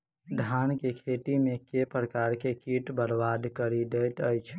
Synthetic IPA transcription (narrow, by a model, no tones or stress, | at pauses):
ɖʱankekʰet̪imekepɾəkaɾkekiʈbəɾbad̪kəɾiɖet̪əjt͡ʃʰ